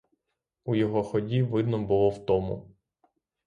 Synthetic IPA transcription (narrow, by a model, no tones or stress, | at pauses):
ujɔɦɔxɔdʲiʋɪd̪nɔbʊlˠɔwt̪ɔmʊ̰